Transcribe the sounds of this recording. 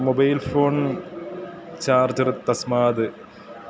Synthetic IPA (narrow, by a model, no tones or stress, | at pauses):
mobɐjlfoːɳ | t͡ɕaːrd͡ʑɐrt̪ɐsmaːd̪ɨ